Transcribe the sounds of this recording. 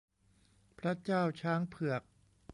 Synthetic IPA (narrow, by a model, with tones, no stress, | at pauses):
pʰɾa˦˥t͡ɕaː˥˩wt͡ɕʰaː˦˥ŋpʰɯ˨˩ək̚